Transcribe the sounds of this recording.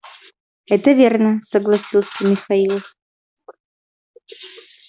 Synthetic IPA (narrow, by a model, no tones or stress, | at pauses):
ɛt̪əvʲernəsəɡlˠasʲilˠsʲəmʲɪxailˠf